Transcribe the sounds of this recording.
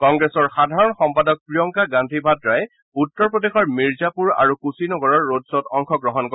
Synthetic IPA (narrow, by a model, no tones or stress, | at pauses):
kɔŋɡɹesɔɹxadʱaɹɔnxɔmpadɔk̚pɹijɔŋkaɡandʱibʱadɹajɛ | utːɔɹpɔdexɔɹmiɹzapuɹa̰ɹukusinɔɡɔɹɔɹːodsɔtɔŋkʰɔɡɹɔɦɔnkɔ